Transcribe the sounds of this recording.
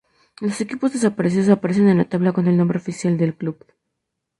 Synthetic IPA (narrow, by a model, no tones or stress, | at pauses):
lo̞se̞kipo̞zðe̞s̬apaɾes̬eos̬apaɾe̞s̬e̞nenlat̪aβlakonelnombɾeofisjald̪e̞lklub